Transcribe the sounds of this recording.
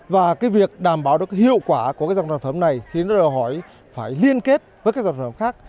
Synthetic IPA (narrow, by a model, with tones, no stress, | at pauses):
vaː˨˩kaː˨˦jvi˨˩ək̚ɗaː˨˩mɓaː˨˦wɗɨ˨˩əka˨˦hḭ˧˨əwkwaː˧˩ku˧˩kaː˨˦jza˧˨˩a˨˩nfə˧˦mna˨˩jxnɔ˨˦ɗəː˨˩jɦɔ˧˩j | faː˧˩jli˧ənke˦˥t̚vəː˨˦jkaː˦˥kzwfə˨˧˦xaː˦˥k̚